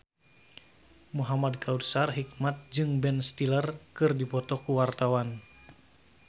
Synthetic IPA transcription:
muɦamadkaudsarɦik̚mat̪̚d͡ʒɨŋbɛnst̪ilərkɨrdipɔt̪ɔkuwart̪awan

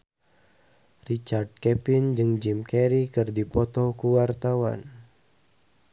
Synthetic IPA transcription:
rit͡ʃard̚kɛpɪnd͡ʒɨŋd͡ʒimkɛɾikɨrdipɔt̪ɔkuwart̪awa̰n

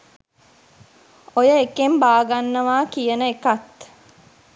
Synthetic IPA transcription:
ojəekembaːɡanːəʋaːkijənəekat̪

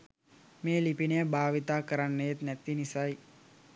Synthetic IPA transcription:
meːlipinəjəbaːʋit̪aːkəɾanːəjet̪næt̪inisaj

